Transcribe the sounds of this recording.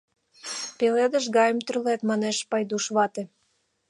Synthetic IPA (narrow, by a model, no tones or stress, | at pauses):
peled̪əʃɣɑjəmt̪rylet̪mɑneʃpɑjd̪uʃβɑt̪ĕ